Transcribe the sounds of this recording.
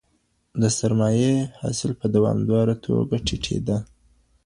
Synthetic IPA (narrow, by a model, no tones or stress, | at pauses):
d̪əsaɾmɑjehɑ̰sɪlpəd̪awɑ̰md̪ɑɾat̪ʰo̰ɡaʈʰiʈʰḛd̪a